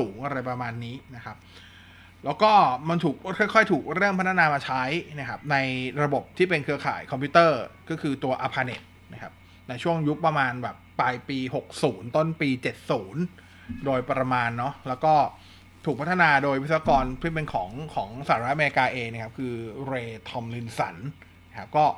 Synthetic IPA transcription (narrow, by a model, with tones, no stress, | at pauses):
uː˩˦ŋʔa˧ɾa˧jpɾa˧maː˧nːiː˦˥na˦˥kʰa˦˥p̚ | lɛː˦˥wkɔː˥˩ma˧nt̪ʰuː˨˩k̚kʰɔ˥˩jkʰɔ˥˩jt̪ʰuː˨˩k̚ɾɤ˥˩ŋpʰa˦˥t̪ʰːa˧naː˧maː˧t͡ɕʰa˦˥jna˦˥kʰa˦˥p̚na˧jɾa˧bo˨˩p̚t̪ʰiː˥˩pe˧nkʰɯ˧ɐkʰa̰ː˨˩jkʰɔ˧mʰpʰiː˦˥t̪ɤː˥˩kɔː˥˩kʰɯː˧t̪u˧ɐʔaː˧pʰaː˧nḛ˨˩t̪̚na˦˥kʰa˦˥p̚ | na˧jt͡ɕʰu˥˩əŋju˦˥pːɾa˧maː˧nbɛː˨˩pːaː˧jpiː˧ɦo˨˩k̚suː˩˦nt̪o˥˩npiː˧t͡ɕe˨˩t̪̚suː˩˦n | doː˧jpɾa˧maː˧nːɔ˦˥lɛː˦˥wkɔː˥˩ | t̪ʰuː˨˩pʰa˦˥t̪ʰːa˧naː˧doː˧jwt̪sa˧˩a˧kɔː˧npʰiː˥˩p̬e˧nkʰɔː˩˦ŋkʰɔː˩˦ŋsaː˨˩ɾt̪̚ʔa˧me˧i˧kaː˧ʔeː˧ŋna˥kʰa˦˥p̚kʰɯː˧ɾeː˧t̪ʰɔ˧mlɯ˧nsa̰˩˦n | na˦˥kʰa˦˥p̚kɔː˥˩